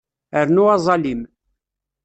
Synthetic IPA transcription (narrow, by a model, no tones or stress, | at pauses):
əɾnuɑzˤɑlim